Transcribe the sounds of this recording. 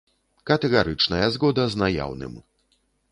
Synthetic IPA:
kɐt̪ɛɣaɾɨt͡ʂnɐjɐzɣɔd̪ɐznaja̰wnɨ̰m

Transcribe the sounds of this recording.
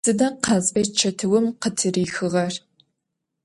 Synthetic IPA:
ɨdɐqʰɑzʼfɐt͡ʃʰɐtʰɨwʊmqətʰɨriːxɨʁɐr

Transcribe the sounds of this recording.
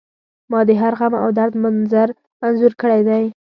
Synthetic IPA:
mɑd̪əɦaɾɣama̰wd̪aɾd̪manzaɾ | manzuɾkəɽajd̪aj

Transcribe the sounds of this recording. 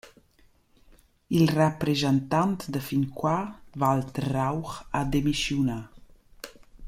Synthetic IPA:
ilrəpɾezənt̪ant̪d̪əfinkwavalt̪rawχad̪emisjuna

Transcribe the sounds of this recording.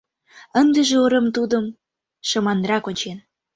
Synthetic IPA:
ənd̪ĕʒĕoɾə̆mt̪ud̪əm | ʃɤ̆mɑnɾɑkonʲt͡ɕen

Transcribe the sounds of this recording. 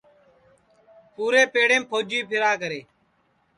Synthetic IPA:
puːɾeːpeːɽeːmpʰoːd͡ʒiːpʰɪɾaːkəɾeː

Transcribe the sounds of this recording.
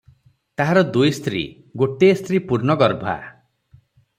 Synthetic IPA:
t̪aɦaɾɔd̪ujst̪ɾḭ | ɡoʈest̪ʰɾipuɾnɔɡɔɾbʱa̰

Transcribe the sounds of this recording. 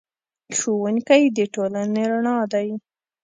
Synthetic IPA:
ʃowuŋkajd̪əʈolaneɾaɳɑd̪aj

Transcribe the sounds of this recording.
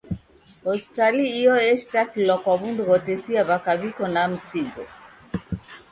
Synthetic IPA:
ɔspitaliiɔɛʃtakilɔkwaβunduwɔtɛsiaβakaβikɔnam̩siɡɔ̰

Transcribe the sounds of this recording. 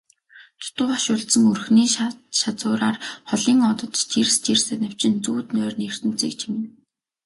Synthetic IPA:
t͡s̪ʰʊ̥t̪ʊːχaʃʊːɮt̪sə̆ŋɵrxniːʃat͡sʊːɾaːrχɔɮiːŋɔt̪ɞ̆t̪t̪ʰirst̪ʰirsænə̆w̥t͡ɕɪ̆nt͡suːt̪nœːrnir̥t̪ɘ̆m̥t͡sḭːk̚t͡ɕʰimɘ̆n

